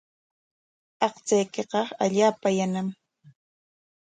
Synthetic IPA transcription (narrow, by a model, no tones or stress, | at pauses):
ɑqt͡sajkeqɑaʎaːpajanam